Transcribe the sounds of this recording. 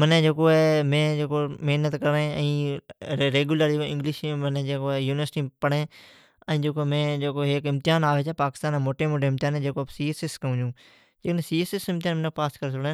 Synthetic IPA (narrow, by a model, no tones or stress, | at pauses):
mənẽːd͡ʒeːkoːemẽːd͡ʒeːkoːmɪɦnət̪kəɾẽː | ɾeːɡʊːləɾiːõɪ̃ŋɡlɪʃmənẽːd͡ʒeːkoːjuːnɪʋəɾsʈiːpəɽẽː | ə̃ĩːd͡ʒeːkoːmẽːd͡ʒeːkoːɦeːkɪ̃mt̪ɪjaːnaːʋeːt͡ʃɛːpaːkɪ̥st̪aːnẽːmoːʈeːmoɖemt̪ɪjaːnẽːd͡ʒeːkoːpsiːeːseskəʊ̃ːd͡ʒũː | d͡ʒeːknẽːsiːeːseːsɪmt̪ɪjaːnmənekpaːskəɾsʊɽeː